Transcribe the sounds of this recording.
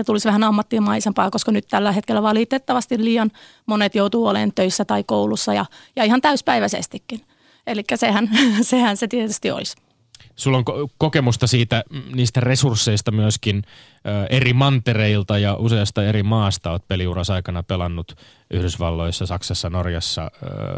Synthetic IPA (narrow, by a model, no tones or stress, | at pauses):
et̪ulisʋæhænɑmːɑt̪ːimɑisempɑːkoskɑnyt̪t̪ælːæhet̪kelːæʋɑlit̪et̪ːɑʋɑst̪illiːjɑn | monet̪jout̪uːolḛːnt̪øisːæt̪ɑikoulusːɑjɑ̰jɑihɑnt̪æyspæiʋæsḛst̪ikːin | elikːæsehænsehænset̪iet̪yst̪io̰lis | sulːoŋkkokemust̪ɑsiːt̪æniːst̪æresursːeist̪ɑmyøskinː | ʔerimɑnt̪ereilt̪ɑjɑʔuseɑst̪ɑerimɑːst̪ɑoːt̪̚peliurɑsɑikɑnɑpelɑnːut̪ | ʔyhdysʋɑlːoisːɑsɑksɑsːɑnorjɑsːɑ̰